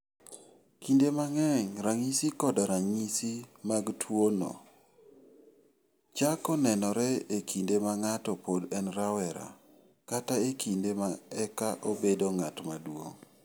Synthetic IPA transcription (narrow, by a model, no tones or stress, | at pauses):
kindemaŋɛŋɾaŋisikɔdaɾaŋisimaɡtʰwonɔ̰ | t͡ʃakɔnɛnɔɾɛekʰindemaŋatɔpodɛnɾawɛɾa̰ | kataekʰindemaɛkaʔobedoŋatmadwo̰ŋ